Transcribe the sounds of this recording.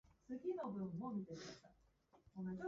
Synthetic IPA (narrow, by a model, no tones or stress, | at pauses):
t͡sɨɡʲino̞bɯ̟̃mːo̞mʲit̪e̞imat̪a | konod͡ʑo